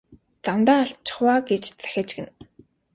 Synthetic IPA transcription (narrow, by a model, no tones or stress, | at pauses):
t͡samt̪aːɔɬt͡ɕʰɪ̥̆χwaːɡet͡ɕt͡sæ̥xʲăt͡ɕɡɘ̆n